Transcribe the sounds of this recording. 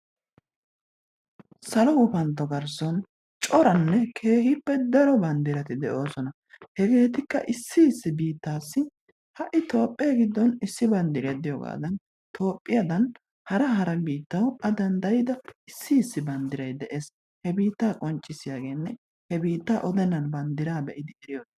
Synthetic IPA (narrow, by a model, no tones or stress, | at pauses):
sɐlɔkʊpɐnt̪ːɔɡɐɾsɔn | t͡ʃʼɔɾɐnːɛkʰe̞ːhɪpːɛd̪ɐɾɔbɐnd̪ɪɾɐt̪ɪd̪ɛʔo̞ːsɔnɐ | hɛɡe̞ːt̪ɪkːɐʔɪsːɪɪsːɪbiːt̪ːaːsːɪ | hɐʔɪt̪o̞ːpʼːeːɡɪd̪ːɔnɪsːɪbɐnd̪ɪɾeːd̪ɪjɔɡa̰ːd̪ɐn | t̪ʰo̞ːpʼːɪjɐd̪ɐn | hɐɾɐhɐɾɐbiːt̪ːɐwɐd̪ɐnd̪ɐjɪd̪ɐɪsːɪːsːɪbɐnd̪ɪɾɐjd̪ɛʔe̞ːs | hɛbiːt̪ːaːkʼɔnt͡ʃʼːɪsɪjaːɡe̞ːnːɛ | hɛbiːt̪ːaːʔɔd̪ɛnːɐnbɐnd̪ɪɾaːbɛʔɪd̪ɪɛɾɪjoːs